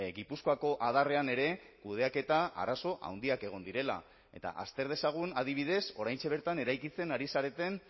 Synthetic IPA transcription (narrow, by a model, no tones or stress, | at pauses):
ɣipuskoako̞ʔaðare̞ane̞ɾe̞kuð̞e̞ake̞t̪aa̰ɾaso̞ʔa̰wnd̪iake̞ɣ̞o̞nd̪iɾe̞la̰ | e̞̰t̪a̰ʔa̰st̪e̞ɾð̞e̞saɣ̞unaðiβ̞iðe̞so̞ɾajnt͡ʃe̞βe̞ɾt̪ane̞ɾajkit͡se̞naɾisaɾe̞t̪e̞n